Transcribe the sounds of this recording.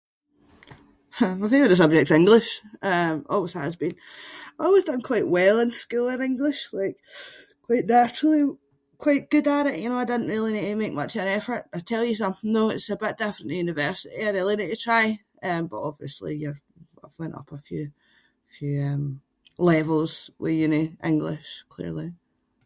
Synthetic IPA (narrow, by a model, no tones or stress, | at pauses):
həaɪθɪ̃ŋkəðəs̬ʌb̚d͡ʒɛk̚tsɪ̃ŋɡlˠɪʃʌ̃mɔ̰lˠwɪz̥həəzbĩnaɪɔlˠwɪzdʌ̃nkʰw̥aɪʔwɛlˠɪ̃nskʉlˠɪ̃nɪ̃ŋɡlˠɪʃlˠaɪk | kʰw̥aɪʔnat͡ʃɹ̥l̩ˠi | kʰw̥aɪʔɡ̥ʉdaɾɪʔjʔɨnoaɪdɪdⁿn̩ʔɹilˠineʔmek̚mʌt͡ʃə̃nɛfə˞ʔaɪtʰɛlˠjəs̬ʌ̃mθɪ̃noɪtsəbɪʔd̥ɪfɹə̃nʔjʉnɪvɜ˞sɪʔḭaɪɪlˠinɪʔətʰɹ̥aɪ | ʌ̃mb̥ʌʔɔbvḭəslˠḭjəv | aɪvwɛ̃nʔʌ̰pʰəfjʉː | fjʉːʌ̃m | lˠɛvəlˠz̥wʔə̰˞jɨnoʔɪ̰̃ŋɡlˠɪʃkʰl̥ḭɹlˠi